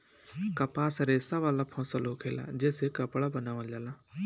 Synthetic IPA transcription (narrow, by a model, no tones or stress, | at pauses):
kəpasɾeːsaʋaːlapʰɔ̃ːsəlɦokʰeːla̰d͡ʒeːsekəpɭabənaːʋad͡ʒaːlaː